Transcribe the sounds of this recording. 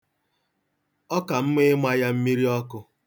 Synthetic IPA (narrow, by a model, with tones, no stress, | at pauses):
ɔ˦ka˨m̩˦me˦mʷ˦a˦ja˦m̩˦mi˦ɾi˦ɔ˦kʊ˦